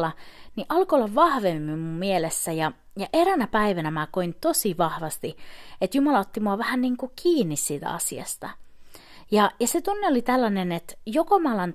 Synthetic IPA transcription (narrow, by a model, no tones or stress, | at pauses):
lɑniʔɑlkoolːɑʋʋɑhʋemːimmummielesːæjɑ | jɑʔeɾænæpæiʋænæmækoint̪osiʋɑhʋɑst̪iet̪jumɑlɑot̪ːimuɑʋæhænniːŋkukʰiːnːissiːt̪æ̰ɑ̰siɑ̰st̪ɑ̰ | jɑjɑset̪unːeolit̪ælːɑnenet̪jokomɑlɑn